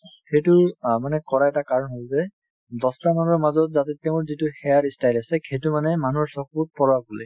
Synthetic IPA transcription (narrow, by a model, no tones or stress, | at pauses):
xejtʊmanɛkɔɹaɛtakaɹɔnɦolzɛ | dɔstanɔnɔɹmazɔt̚zatɛtɛʊ̃ʊɹzitʊxɛjaɹistajlasɛxʰejtʊmanɛmanuɔɹsɔk̚ut̚pɔɹabulɛ